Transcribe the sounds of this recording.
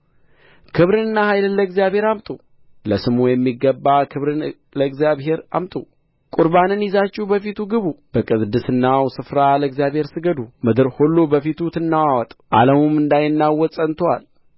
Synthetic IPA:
kʰɨβɾɨnɨnːahajlɨlːəɡzjaβhe̞ɾamt̪ʼu | ləsɨmujɛmːiɡːəbːakʰɨβɾɨn | ləɨɡzjaβɦe̞ɾa̰mt̪ʼu | kʼuɾbanɨnjɪzat͡ʃːɪhbəfit̪ʰuɡɨβub̥əkʼɨzd̪ɨsɨnːawsɨfɾaləɡzjaβhe̞ɾsɨɡəd̪umɨd̪ɨɾhulːobəfit̪ʰut̪ʰɨnːawawɔt̪ʼʔa̰ləmumɨnd̪ajɪnːawːɔsʼənt̪ʰwa̰l

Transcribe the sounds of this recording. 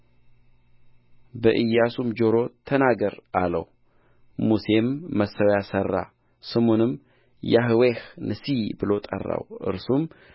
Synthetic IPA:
bəʔɨjːasumd͡ʒo̞ɾo̞t̪ʰənaɡəɾʔalə̰w | muse̞mːəsəwjasərːa̰ | sɨmonɨm | jaɦɨwehnʔɨsibɨlo̞t̪ʼə̰rːa̰wʔɨ̰ɾsum

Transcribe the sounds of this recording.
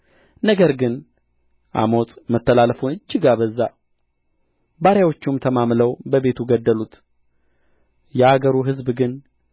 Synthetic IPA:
nəɡəɾɡɨn | ʔa̰mo̞sʼmət̪ːəlalfunɨd͡ʒːɪɡabəzːa | baɾjawo̞t͡ʃːumt̪ʰəmamləwbəbe̞t̪ʰuɡəd̪ːəlut̪ | jɛaɡəɾuɦɨzbɡɨn

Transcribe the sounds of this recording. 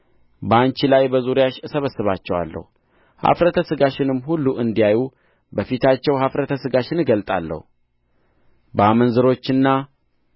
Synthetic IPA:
bəant͡ʃilajbəzuɾjaʃɨsəβəsːɨβat͡ʃːɛwa̰lːə̰hu | ha̰fɾət̪ʰəsɨɡaʃɪnɨmːhulːuʔɨnd̪ijaju | bəfit̪ʰat͡ʃːɛwhafɾət̪ʰəsɨɡaʃɪnɨɡəlt̪ʼa̰lːə̰hu | bəamənzɨɾo̞t͡ʃːɨnːa

